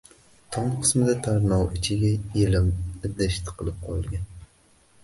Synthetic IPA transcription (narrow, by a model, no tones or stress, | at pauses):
t̪ʰɒnqʰɨ̥smɪd̪at̪ʰaɾnɒwɪt͡ʃʰɪɡʲajelɪmnɪd̪eʃt̪qʰɨlˠɪp̚qʰɒjɪlˠɡʲan